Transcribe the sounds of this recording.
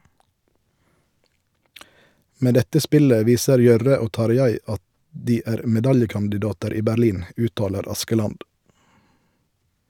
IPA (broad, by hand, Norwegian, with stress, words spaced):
ˈmeː ˈdɛtə ˈspɪlə ˈʋiːsəɾ ˈjœʁə ˈoː ˈtɑɾˌjæɪ ˈɑt ˈdiː ˈæːʁ mɛˈdɑljəkɑndɪˌdɑːtəɾ ˈiː bæɾˈliːn ˈʉːtˌtɑːləɾ ˈɑskəˌlɑnd